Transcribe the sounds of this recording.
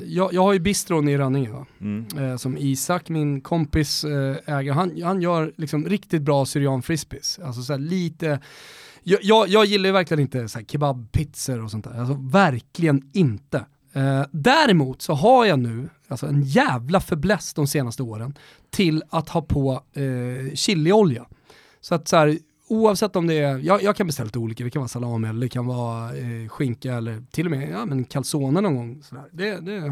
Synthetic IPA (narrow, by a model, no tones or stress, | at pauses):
jɑːjɑːɡhaɾjɵbɪst̪ɾɔnɪɾœːnɪŋənd̪ɔ̰ | sɔmiːsakːmɪnkʰɔmpɪsɛːɡəɾɦanhanjœːɾlɪksɔmɾɪkt̪ɪt̪̚bɾɑːsʏɾɪɑːnfɾɪspɪsals̬ɔsɔæːɭiːt̪ə | jɑjɑːɡjɑːɡjɪlːajvæɾklɡənɪnt̪əsɔæːɾkʰɪbabpʰɪt̪səɾɔsɔnt̪ʰæ̰ːɾals̬ɔvæɾklɪɡənɪnt̪ə | d̪æɾɛmuːt̪sɔɦajanʉ̟ː | alsɔɛnjæːvlafœɾblɛst̪d̪ɔmseːnast̪əoːɾən | t̪ʰɪlat̪hɑːpʰɔ | ɕɪlːɪɔlja | sɔat̪sɔhæːɾ | uːɑvsɛt̪ːɔmd̪ɛjɑːjɑːɡkʰanbɛst̪ɛlːalit̪uːliːkad̪ɛkʰanvɑːsalɑːmɛlːəkʰanvɑːɧɪŋkaɛlːəɾt̪ʰɪlːɔmɛjamɛnkʰalsoːnənɔnɡɔŋːsɔd̪æ̰ːɾd̪ɛd̪ɛ